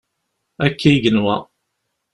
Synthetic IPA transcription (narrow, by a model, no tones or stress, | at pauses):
ækːiʝənwæ̰